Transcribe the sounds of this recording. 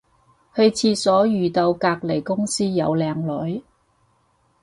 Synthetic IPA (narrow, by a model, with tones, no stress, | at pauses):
hɵ˧ɥt͡sʰiː˧sɔː˨˥jyː˨˩t̪ɐ˧wkaː˧k̚le˨˩jkʊ˥ŋsiː˥jɐ˨˧wlɛː˨˧ŋlɔː˨˥j